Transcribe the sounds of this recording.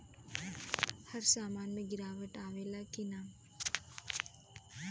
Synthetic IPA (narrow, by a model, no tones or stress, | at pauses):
hɐɾsaːmaːnməɡiɾaːʋəʈaːʋeːlakʰinaː